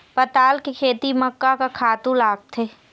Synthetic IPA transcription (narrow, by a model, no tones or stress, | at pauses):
pɐt̪aːlkekʰeːt̪imɐkːakakʰaːt̪ũlaːɡ̚t̪ʰeː